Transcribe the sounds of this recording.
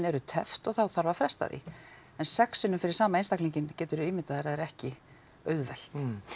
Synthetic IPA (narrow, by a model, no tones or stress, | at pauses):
nɛɾʏt̪ʰɛ̰ft̪ɔɣθawθaɾvafɾɛst̪a̰ðḭ | ɛnsɛksʏnʏmfɪɾɪɾsaːmaeːnst̪akliɲcɪncɛːt̪ʏɾʏɪːmɪt̪aðɛɾaðɛɾɛhcɪ | œːɥðvɛl̥t̪